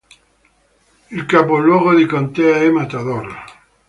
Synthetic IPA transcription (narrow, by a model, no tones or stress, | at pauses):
ilkapolwoɣoðikant̪eaemat̪aðola